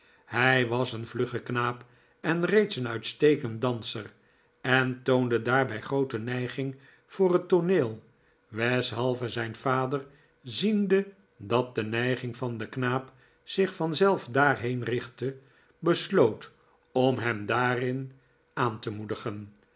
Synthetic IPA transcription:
hɛjʋɑsənvlɵχəknaːp | ɛnrejtsənœɥtstejkənt̚dɑnsər | ɛntowndədaːɹbɛjχrowtənɛjχɪŋ | fʊːrətoneːlˠ | ʋɛsɦɑlˠvəzɛjnv̥aːdər | zində | dɑt̚dənɛjχɪŋvɑndəknaːp | z̥ɪχfɑnzɛlˠfdaːɹɦejnrɪχtə | bəslowt | ɔmɦɛmdaːrɪn | aːntəmudəχən

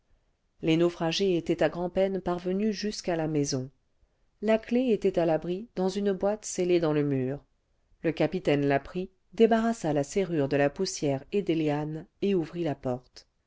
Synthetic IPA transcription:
lenofχaʒeet̪ɛt̪aɡʁɑ̃pɛnpaʁvənyʒyskalamɛzɔ̃ | lakleet̪ɛt̪alabʁid̪ɑ̃zynbwat̪seled̪ɑ̃ləmyːʁ | ləkapit̪ɛnlapχi | d̪ebaʁasalaseʁyʁd̪əlapusjɛʁed̪eleaneuvʁilapɔʁt̪

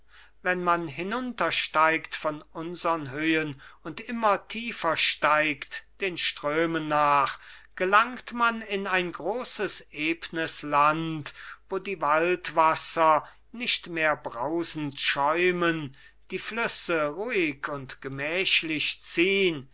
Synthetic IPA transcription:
vɛnmanɦɪnʊntɐʃtaɪktfɔnʊnzɐʁənɦøːənʊntʔɪmɐtʰiːfɐʃtaɪktd̥eːnʃtʁ̥øːmənːaːχɡ̥əlaŋktmanɪnaɪnɡʁoːsəsʔeːpnəslantvoːdiːvaltv̥asɐ | nɪʃtmeːɐbʁaʊzn̩tʃɔʏmən | d̥iːflʏsəʁuːɪkʰʊntɡ̥əmɛːʃlɪɕt͡siːən

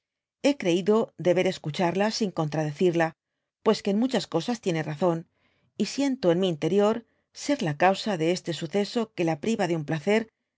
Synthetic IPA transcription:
e̞kɾe̞iðo̞ðe̞βe̞ɾe̞skut͡ʃaɾlasiŋko̞nt̪ɾaðe̞θiɾla | pwe̞ske̞ːnmut͡ʃasko̞sast̪je̞ne̞raθo̞n | isje̞nt̪oe̞nmiːnt̪e̞ɾjo̞ɾ | se̞ɾlakawsaðe̞e̞st̪e̞suθe̞so̞ke̞lapɾiβaðeumplaθe̞ɾ

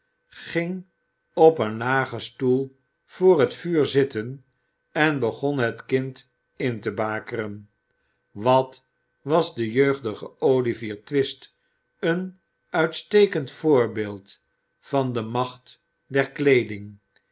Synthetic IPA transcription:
χɪŋ | ɔpənlaːχəstulˠ | v̥ʊːrɦətfyːɹzɪtən | ɛnbəχɔnɦətkɪnt | ɪntəbaːkərən | ʋɑt | ʋɑzdəjøɥχdəχəowliviːɹtʋɪst | ən | œɥtstejkəntfʊːɹbeːlˠt | fɑndəmɑχt | dɛɹklejdɪŋ

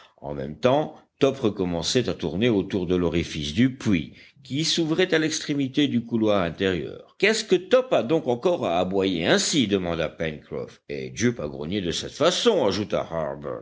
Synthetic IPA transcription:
ɑ̰̃mɛ̰mt̪ɑ̃t̪ɔpʁəkɔmɑ̃sɛt̪at̪uʁneot̪uʁd̪əlɔʁifisd̪ypɥḭ | kʲisuvʁɛt̪alɛkst̪χemit̪ed̪ykulwaʁɛ̃t̪eʁjœ̰ːʁkɛskət̪ɔpad̪ɔ̃kɑ̃kɔʁaːbwajeɛ̃sid̪əmɑ̃d̪apɛnkχɔ̰fḛd̪øpaɡʁɔ̰njed̪əsɛt̪fasɔ̃aʒut̪a̰haʁbɛ̰ʁ

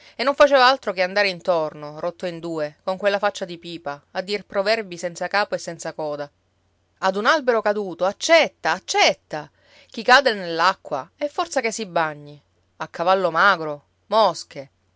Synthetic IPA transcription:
enːoɱfat͡ʃɛːvaalt̪ɾokeand̪aɾeint̪ornorot̪ːoind̪uːekoŋkwelːafat͡ʃːad̪ipiːpaːd̪ːirpɾovɛrbisɛnt̪sakaːpoesːɛnt̪sakɔːd̪a | ad̪unalbeɾokad̪uːt̪oat͡ʃːɛt̪ːaːt͡ʃːɛt̪ːa | k̟ikaːd̪enelːakːwa̰ɛfːɔrt̪sakesːibːaɲːi | akʰːavalːomaːɡɾo | mɔske

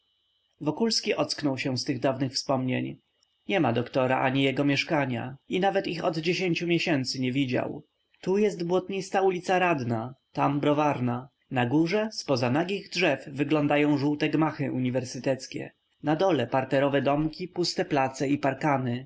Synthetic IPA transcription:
vɔkulskʲiʔɔt̪sknɔwɕɛ̃st̪ɘɣd̪avnɘxfspɔmɲeɲ | ɲɛmad̪ɔkt̪ɔɾa̰ʔaɲijɛɡɔmʲjɛʂkaɲa̰inavɛt̪ixɔd̪d͡ʑeɕeɲt͡ɕumʲjɛɕɛnt̪sɘɲɛvʲid͡ʑa̰w | t̪ujɛst̪bwɔt̪ɲist̪aulʲit̪saɾad̪nat̪ambɾɔvaɾna | naɡuʐɛspɔzanaɡʲiɣdʐɛfvɘɡlɔnd̪ajɔ̃w̃ʐuwt̪ɛɡmaxɘʔuɲivɛɾsɘt̪ɛt̪skʲɛ̰ | nad̪ɔlɛpaɾt̪ɛɾɔvɛd̪ɔmkʲipust̪ɛplat̪sɛipaɾkanɘ

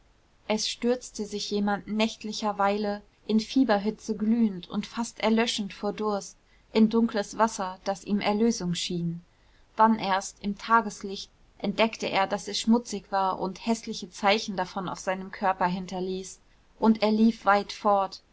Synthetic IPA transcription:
ʔɛsʃtʏɐt͡stəzɪçjeːmandnɛçtlɪçɐvaɪlə | ʔɪnfiːbɐɦʏt͡səɡlyːəntʊ̰ntfastʔɛɐlœʃn̩tfoːɐdʊɐst | ʔɪndʊŋkləsv̥asɐd̥asiːmʔɛɐløːzʊŋʃiːn | d̥anʔeːɐstɪmtʰaːɡəslɪçt | ʔɛnt̚d̥ɛktəʔḛːɐdasɛsʃmʊt͡sɪçv̥aːɐʔʊ̰nthɛslɪçət͡saɪçn̩dafɔna̰ʊfz̥aɪnəmkʰœɐpɐɦɪntɐliːs | ʔʊntʔeːɐliːfv̥aɪtfɔɐt

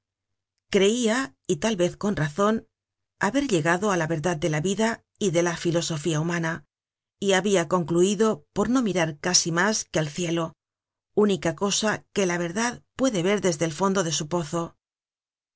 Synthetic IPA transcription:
kɾe̞ia | it̪alβe̞θko̞nraθo̞n | aβe̞ɾʎe̞ɣaðo̞alaβe̞ɾðað̚d̪e̞laβiða | iðe̞lafilo̞so̞fiaumana | iaβiako̞ŋkluiðo̞po̞ɾno̞miɾaɾkasimaskealθje̞lo̞ | unikako̞sake̞laβ̞e̞ɾðaðpwe̞ðe̞βe̞ɾðe̞zðelfo̞nd̪oðe̞supo̞θo̞

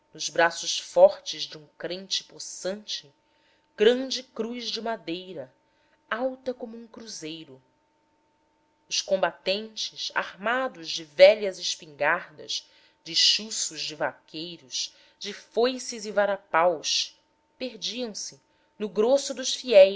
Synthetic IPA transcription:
nʊzbɾasʊʃfɔχt͡ʃɪzd͡ʒɪũkɾẽnt͡ʃɪ̥posɐ̃nt͡ʃɪ | ɡ̥ɾɐ̃d͡ʒɪkɾuzd͡ʒɪmad̪ejɾɐ | awt̪ɐkõmʊũŋkɾuzejɾʊ | ʊʃkõmbat̪ẽnt͡ʃɪʃa̰hmad̪ʊzd͡ʒɪvɛʎɐzɪʃpĩŋɡaɾd̪ɐ̰ʃ | d͡ʒɪʃusʊʒd͡ʒɪvakʲʰejɾʊʃ | d͡ʒɪfojsɪzivaɾapawʃ | peɾd͡ʒiɐ̃w̃sɪ | nʊɡɾosʊd̪ʊʃfiɛj

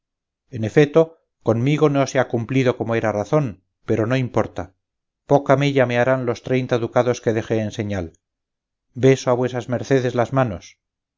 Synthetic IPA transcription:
enefet̪o | konmiɣo̞no̞seakumplið̞o̞ko̞moe̞ɾaraθo̞m | pe̞ɾo̞no̞impo̞ɾt̪a | po̞kamiʎame̞aɾanlo̞st̪ɾejnt̪aeðukaðo̞ske̞ðe̞xeːnse̞ɲal | be̞soaβwe̞sazme̞ɾθe̞ð̞e̞zlazmano̞s

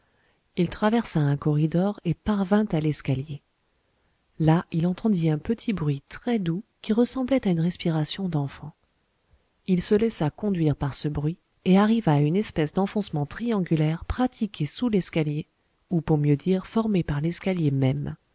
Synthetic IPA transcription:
ilt̪χavɛʁsaɛ̃kɔʁid̪ɔʁepaʁvɛ̃t̪alɛskalje | lailɑ̃t̪ɑ̃d̪iɛ̃pət̪ʰibʁɥit̪χɛd̪ukʲiʁəsɑ̃blɛt̪aynʁɛspiʁasjɔ̃d̪ɑ̃fɑ̃ | ilsəlɛsakɔ̃d̪ɥiʁpaʁsəbʁɥi | eaʁivaːynɛspɛsd̪ɑ̃fɔ̃smɑ̃t̪χiɑ̃ɡʲylɛʁpχat̪ʰikʲesulɛskalje | upuʁmjød̪iʁfɔʁmepaʁlɛskaljemɛm

